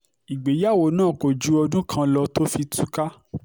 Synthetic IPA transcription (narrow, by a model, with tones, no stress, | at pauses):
i˨ɡ͡be˨˦ja˦˨wo˨˦nãː˦˨ko˨d͡ʒu˨˦ɔ˧dũ˦kʰã˧lɔ˧to˦fi˧tu˨˦ka˦